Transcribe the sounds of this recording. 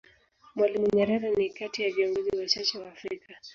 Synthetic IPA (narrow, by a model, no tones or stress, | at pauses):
mwalimuɲɛɾɛɾanikatijaviɔŋɡuziwat͡ʃat͡ʃɛwaːfɾikʰa